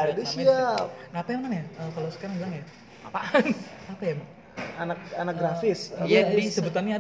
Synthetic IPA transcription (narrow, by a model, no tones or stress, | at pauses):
adesiapnapajamakanjaʔəkalosəkaɾaŋbilaŋja | apaʔanapajamŋ | anak̚anak̚ɡɾafɪsjanisəbut̪̬anɲaa